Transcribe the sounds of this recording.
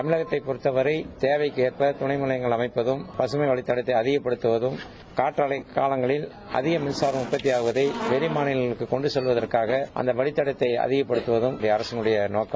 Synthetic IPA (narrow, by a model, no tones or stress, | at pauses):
t̪ɐmɪlɐɣɐt̪ːɐɪpɔɾɯt̪ːɐʋɐɾɐɪt̪eːʋɐɪkeːrpɐt̪ʊɳɐɪmɯlɐjɐŋɡɐɭɐmɐɪpːɐðɯmpɐsɯmɐɪʋɐɭɪt̪ːɐɽɐt̪ːɐɪɐðɪɣɐpːɐɽɯt̪ːɯʋɐðɯm | kaːʈɾɐɭɐɪkːaːlɐŋɡɐɭɪl | ʔɐ̰ðɪɣɐmɪnsaːɾɐmʊpːɐt̪ːijaːɣɯʋɐðɐɪʋɛɾɪmaːnɪɐɯkːɯkɔɳɖɯsɔlʋɐðɐrkaːɣɐʔɐ̰nd̪ɐʋɐɭɪt̪ːɐɽɐt̪ːɐɪɐ̰ðɪɣɐpːɐɽɯt̪ːɯʋɐðɯmɪɽɐjɐːɾɐsɐŋɡɯɽɐjɐnoːkːɐm